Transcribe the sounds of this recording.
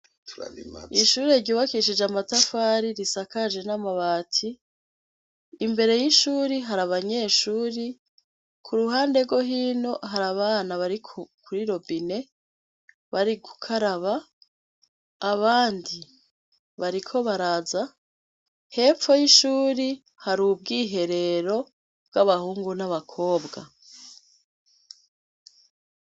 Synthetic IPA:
iʃuːɾeɾɟuːβakiʃ̬id͡ʒamatafaːɾiɾisakaʒe̞namaβaːtʰi | mbe̞ɾe̞jiʃuːɾiɦaɾaβaɲe̞ːʃuːɾi | kʰuɾuɦaːnde̞ɡo̞ɦiːno̞ɦaɾaβaːnaβaɾikʰkʰuɾiɾo̞bine̞ | βaɾiɡu̥kʰaɾaβa | βaːndi | βaɾikʰo̞βaɾaza | he̞ːfo̞jiʃuːɾi | haɾub̚ɡiːɦe̞ɾe̞ɾo̞ | bɡaβahuːŋɡunaβakʰo̞ːbɡa̰

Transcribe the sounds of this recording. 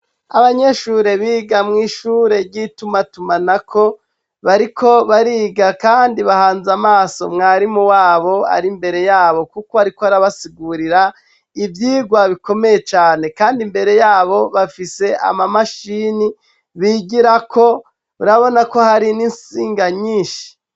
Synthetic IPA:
aβaɲe̞ʃuːɾe̞βiːɡamŋiːʃuːɾe̞ɾɟitumatumanakʰo̞ | βaɾikʰo̞βaɾiːɡakaːndiβahaːnzamaːso̞̰mŋaːɾimuwaːβo̞a̰ɾimbe̞ɾe̞jaːβo̞kukoaɾikoaɾaβasiɡuɾiɾa | ivjiːɡwaβiko̞me̞je̞t͡ʃaːne̞kaːndimbe̞ɾe̞jaːβo̞βafise̞ʔa̰mamaʃiːni | βiɟiɾakʰo̞ | uɾaβo̞nako̞haɾininsiːŋɡaɲiːʃi̥

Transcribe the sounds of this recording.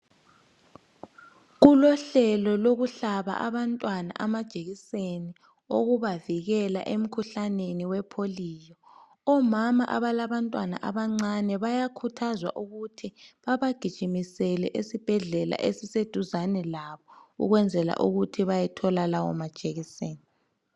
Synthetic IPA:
ɣulɔɬɛlɔloɣuɬaβa̰ʔaβantʼwana̰ʔamad̥ʒ̥ʱeɣiseni | oɣuβaviɣɛla̰ʔem̩kʰuɬaneniwɛpʰoliːjɔ | ɔmama̰ʔa̰βalaβantʼwana̰ʔaβaŋ͡ǀanɛβajakʰutʰazwa̰ʔuɣutʰiβaβaɡ̥ʱid̥ʒ̥ʱimisɛlɛʔesib̥ʱɛɮɛla̰ʔesised̥ʱuzanɛlaβɔṵɣwɛnd͡zʱɛla̰ʔṵɣutʰiβajɛtʰɔlalawɔ̰mad̥ʒ̥ʱeɣiseːni

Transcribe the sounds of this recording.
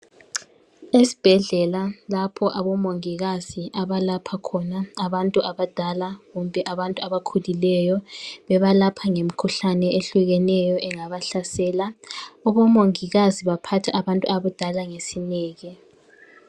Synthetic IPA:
esi̥b̥ʱɛɮɛlalapʰɔʔaβɔmoŋiɣaziʔaβalapʰakʰɔnaaβantʼuʔaβad̥ʱalaɣumbʱɛʔaβantʼuaβakʰulilɛjɔβɛβalapʰaŋem̩kʰuɬanɛʔeɬuɣɛnɛjɔʔɛŋaβaɬasɛːlaɔβɔmoŋiɣaziβapʰatʰaʔaβantʼuaβud̥ʱalaŋesinɛːɣɛ

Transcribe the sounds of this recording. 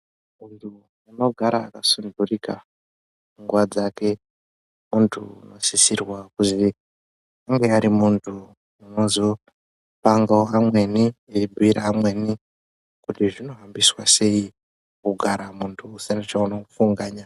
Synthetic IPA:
muntʰu | uno̞ɡʱaɾaːkasundurika | uŋɡwad͡zake̞ | muntʰṵːno̞sisirwakuzi | aŋɡeaɾimuntʰu | uno̞zo̞ | paŋɡaoamwe̞nieibʱuiɾaːmwe̞ni | kutiʐino̞ɦambiswase̞i | kuɡʱaɾamuntʰuːsinat͡ʃaunoufuŋɡaːɲa

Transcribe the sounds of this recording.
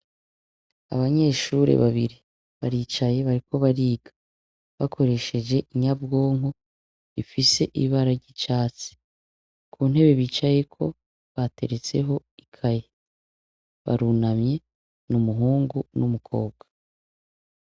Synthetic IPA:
a̰βaɲe̞ːʃuɾḛβaβiɾi | βaɾiːt͡ʃaje̞βaɾiko̞βaɾiːɡ̥ḁ | βakʰo̞ɾe̞ʃe̞ʒe̞ʔiɲab̚ɡo̞ːŋo | ifise̞ʔiβaɾaɾɟit͡ʃaːt͡se̥ | kʰuːn̥he̞βe̞βiːt͡ʃaje̞kʰo̞ | βate̞ɾet͡se̞ɦo̞ | ikʰaje | βa̰ɾunamɲe̞ | numuɦuːŋɡunumukʰo̞̰ːb̚ɡwḁ

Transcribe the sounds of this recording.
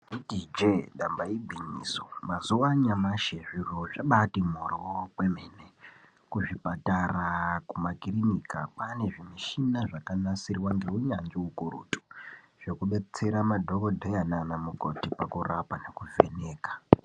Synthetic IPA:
idid͡ʒeɗambaibʱiɲḭːsomazuwaɲamaʃeʐiroʐaɓatimorokwe̞me̞ːne | kuʐipatarakumakirinika̰pane̞ʐimiʃinaʐakanasirwaŋɡeuɲand͡ʒiukurṵːtu̥ | ʐ̥okuɓe̞t͡se̞ɾamadʱo̞kodʱejananamuko̞̰tipakurapane̞kuvʱe̞̰ne̞ːkḁ

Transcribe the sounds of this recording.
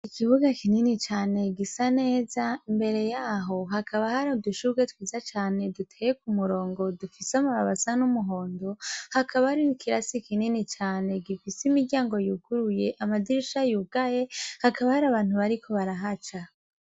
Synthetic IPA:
ikʰiβuɡakininit͡ʃaːne̞ɡisane̞ːzaimbe̞ɾe̞jaɦo̞ɦakʰaβahaɾaduʃuɡetwiːzat͡ʃaːne̞dutʰejekumuɾo̞ːŋɡo̞dufiseamuβaβasanumuɦo̞ːndo̞hakʰaβaaɾinikʰiɾasikininit͡ʃaːne̞ɡifisimiɾɟaːŋɡo̞jukuɾuje̞ʔamadiɾiʃajuɡaje̞hakaβahaɾaβaːn̥huβaɾikʰo̞βaɾaɦat͡ʃa

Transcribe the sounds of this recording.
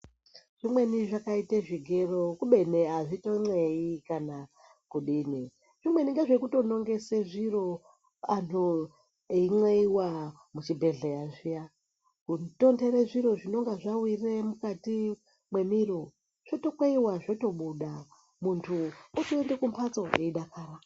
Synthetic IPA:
ʐ̥imwe̞niʐakaiteʐiɡʱe̞rokuɓe̞neaʐitoŋ͡ǀweikana | kuɗini | ʐ̥imwe̞niŋɡaʐekuto̞no̞ŋɡe̞seʐiro̞ | an̤o | eiŋ͡ǀweiwa | mut͡ʃibʱe̞ɮejaʐija | kuto̞ndeɾeʐiɾo̞ʐino̞ŋɡaʐawire̞mukati | mwe̞miro̞ | ʐ̥oto̞kweiwaʐo̞to̞ɓuɗa | muntʰuotoendekumpʰat͡so̞eiɗakaːɾa

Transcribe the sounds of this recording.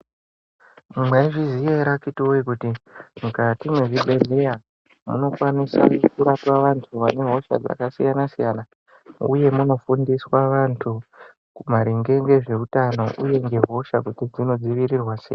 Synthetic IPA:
mumweiʐizijeɾakitioikutimukatimweʐibʱelija | mṵno̞kwanisa̰kuɾatwaʋantʰuʋane̞ɦo̞ʃa̰d͡za̰kasijanasijana | ṵje̞muno̞fundiswaʋantʰu | kumaɾiŋɡe̞ŋɡe̞ʐe̞utano̞ʔuje̞ŋɡe̞ɦo̞ʃakutid͡zino̞d͡ziʋiɾirwasḛːj

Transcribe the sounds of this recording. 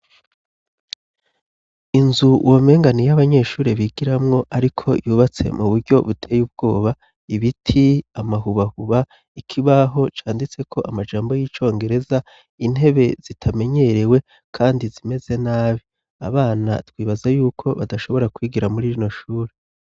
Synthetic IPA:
inzuwʔome̞ːŋɡanijaβaɲe̞ːʃuːɾeβiɡiɾamŋo̞ʔaɾikʰo̞juːβat͡se̞̰muβuɾɟo̞βutʰe̞ːjub̚ɡo̞ːβa | iβitʰiamaɦuβahuβa | ikʰiβaɦo̞t͡ʃaːndit͡se̞kʰo̞ʔamad͡ʒaːmbo̞jiːt͡ʃo̞ːŋɡe̞ɾe̞za | in̥ɦe̞βe̞z̥itʰame̞ɲe̞ɾe̞we̞ | kʰaːndizime̞z̥e̞naːβi | a̰βaːna̰twiːβazajuːkʰo̞βa̰daʃo̞βo̞ɾakwiːɡiɾamuɾiɾino̞ʃuːɾe

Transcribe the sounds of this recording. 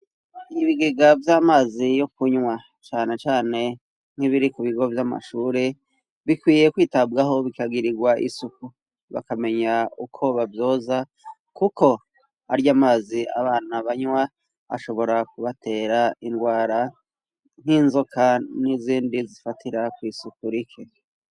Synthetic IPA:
iβiɡiɡavjaːmaːzijo̞kuɲwa | t͡ʃaːne̞t͡ʃaːne̞ | n̥hiβiɾikuβiɡo̞vjama̰ʃuːɾe̞ | βikwiːje̞kwiːtabɡaɦo̞βikaɡiɾiɡwaʔḭsuku | βa̰kame̞ɲaukʰo̞βavjo̞ːza | kuko̞ | a̰ɾijamaːzia̰βaːn̥aβaɲwa | a̰ʃo̞βo̞ɾakuβatʰe̞ːɾainɡwaːɾa | n̥hinzokʰaniziːndizifatʰiɾakwiːsukuɾikʰe

